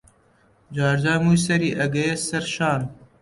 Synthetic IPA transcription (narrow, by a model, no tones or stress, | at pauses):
d͡ʒaːɾd͡ʒaːmuːjs̬ɐɾiːʔɐɡɐjesɐɾʃaːn